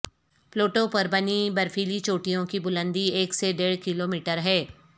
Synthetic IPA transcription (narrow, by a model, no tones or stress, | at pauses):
ploːʈõpɐɾbɐnibɐɾfʰiːlit͡ʃoːʈijõkibʊlə̃nd̪ieːkseɖeːɽkɪloːmiːʈəɾɦɛː